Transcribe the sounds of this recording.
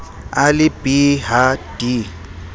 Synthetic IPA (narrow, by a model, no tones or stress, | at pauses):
alɪbʼiɦadi